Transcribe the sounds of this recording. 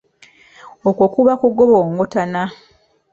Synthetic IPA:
okwokuβakuɡoβoːŋɡotana

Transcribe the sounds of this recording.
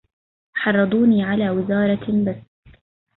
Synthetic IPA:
ħɑrˤːɨd̪ˤuːniːʕalaːwɪzɑːɾˤɑbas

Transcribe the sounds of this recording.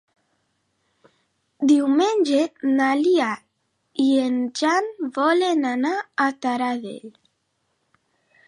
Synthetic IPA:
d̪iwmend͡ʒenalia | iend͡ʒanvɔlenanaːt̪aɾaðḛl

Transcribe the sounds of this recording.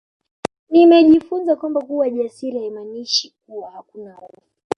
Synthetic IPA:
nimɛʄifunzakwambakuwaʄasiɾiaimaniʃik̚uwahakunaɔɔfi

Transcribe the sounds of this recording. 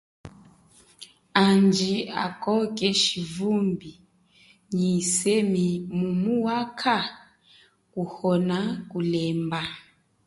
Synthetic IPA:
and͡ʒia̰kɔkʼɛʃivumbi | ɲisemimumuwakʰa | kuhɔnakulɛmba

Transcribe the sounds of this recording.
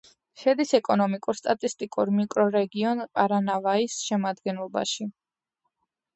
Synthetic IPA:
ʃɛd̪isɛkʼɔnɔmikʼuɾst̪ʼat̪ʼist̪ʼikʼuɾmikʼɾɔɾɛɡiɔnpʼaɾanavaisʃɛmad̪ɡɛnlˠɔba̰ʃi

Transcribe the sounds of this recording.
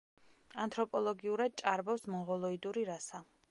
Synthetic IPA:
ant̪ʰɾɔpʼɔlˠɔɡiuɾad̪̚t͡ʃʼaɾbɔfsmɔʁɔlˠɔid̪uɾiɾasa

